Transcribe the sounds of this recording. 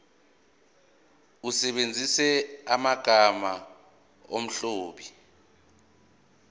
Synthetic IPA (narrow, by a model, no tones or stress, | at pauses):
usɛɓend͡zʱisɛamaɡ̥ʱama | o̰m̩ɬoːɓi